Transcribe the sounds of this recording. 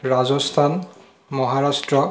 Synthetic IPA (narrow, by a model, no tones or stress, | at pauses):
ɹazɔst̪ʰan | mɔɦaɹastɹɔ